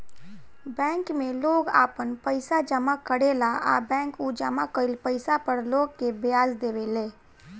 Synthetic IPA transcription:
bɛ̃ːŋkmẽloːɡa̰ːpənpəɪsad͡ʒəmakəɽeːlaʔa̰ːbɛ̃ːŋkud͡ʒəmakəilpəɪsapəɾloːɡ̚kebɪjaːzd̪eːʋeleː

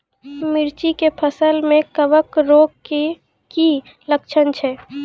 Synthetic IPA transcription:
mɪɾt͡ʃikepʰəsəlmẽkəʋəkɾoːɡke | ki | ləkt͡ʃʰənt͡ʃʰɛ

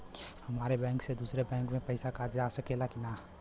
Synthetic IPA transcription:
həmaɾebɛ̃ŋksed̪usɾebɛ̃ŋkmẽpəɪsakad͡ʒd͡ʒasəkelakina

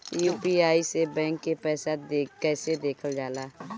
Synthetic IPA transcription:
jupiaːisebɛ̃ːŋkːepɛːsad̪ekɛːsed̪eːkʰəld͡ʒaːlaː

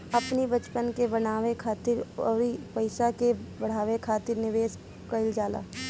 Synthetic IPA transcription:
ɐpnibɐt͡ʃpənkebɐnaːʋekʰaːt̪ɪɾɔːɾipəɪsakebɐɽ̤aːʋekʰaːt̪ɪɾnɪʋeːs | kɐɪld͡ʒaːla̰ː

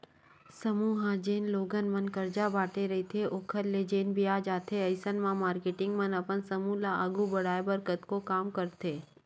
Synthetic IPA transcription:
səmuːɦãd͡ʒeːnloːɡənmənkəɾd͡ʒabaːʈeɾɐɦit̪ʰeʔoːkʰəɾled͡ʒeːnbʱiaːd͡ʒaːt̪ʰeɐɪsənmãmaːɾkeːʈɪŋɡmənɐpənsəmulaəɡubəɽaːjbəɾkət̪kokaːmkəɾt̪ʰeː

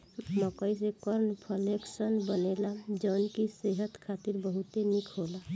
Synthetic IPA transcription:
məkəis̬ekəɾnpʰəleksənbənelad͡ʒɔnkiseɦət̪kʰat̪iɾbəɦut̪enikʰɦola

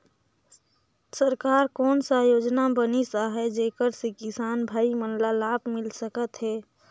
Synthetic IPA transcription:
səɾkaːɾkɔːnsajoːd͡ʒnabənisaɦɛd͡ʒeːkəɾsekɪsaːnbʱaːimənlalaːbmɪlsəkət̪ɦɛː

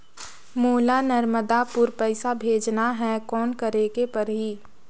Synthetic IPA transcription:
moːlanəɾməd̪apʊɾpɛɪsabʱeːd͡ʒnaɦɛkɔːnkɐɾeːɡepɐɾɦiː

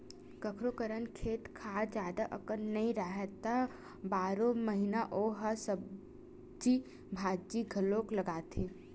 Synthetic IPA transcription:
kəkʰɾokəɾənkʰeːt̪kʰaːd͡ʒjaːd̪aʔɐkənnɐĩɾaːɦət̪ːa | baːɾõmɐɦɪnaʔoːɦasəb̚ | d͡ʒi | bʱaːd͡ʒiɡʱɐlõklɐɡaːt̪ʰeː

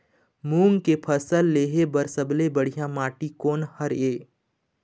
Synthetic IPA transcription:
muːŋɡkepʰəsəlːeːɦebəɾsəblebəɽ̤ijãmaːʈikoːnhəɾeː

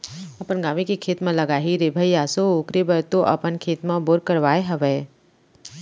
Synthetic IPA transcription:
ɐpənɡaːʋikekʰeːt̪mãlɐɡaːɦiɾebʱəijaːsoʊkɾebəɾt̪oʔɐ̰pənkʰeːt̪mãboɾkəɾʋaːeɦɐʋɛː

